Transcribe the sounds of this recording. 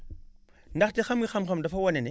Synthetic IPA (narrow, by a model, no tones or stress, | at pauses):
ndɐxtixɐmɡixɐmxɐmdɐfɐwɐnɛnɛ